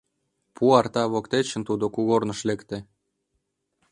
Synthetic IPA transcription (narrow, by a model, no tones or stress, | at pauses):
puɑrt̪ɑβokt̪et͡ɕə̆nt̪ud̪okuɣornɤ̆ʃlekt̪ĕ